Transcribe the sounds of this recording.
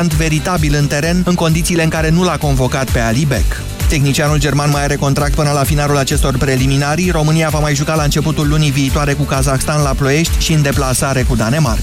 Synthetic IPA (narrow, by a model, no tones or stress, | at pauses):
ant̪ve̞ɾit̪abilɨnt̪e̞ɾe̞nɨŋko̞nd̪it̪siːle̞ɨŋkaɾe̞nulako̞nvo̞kat̪̚pe̞alibek | t̪e̞xnit͡ʃianuld͡ʒe̞rmanmajaɾe̞ko̞nt̪ɾak̚t̪̚pɨnəlafinalulat͡ʃe̞st̪o̞rpɾe̞liminaɾiro̞mɨniavamajʒukalaɨnt͡ʃe̞put̪ulːuniviːt̪oaɾe̞kukazaxst̪anlaplo̞e̞ʃt̪ʲʃiɨnd̪e̞plasaɾe̞kud̪ane̞ma̰r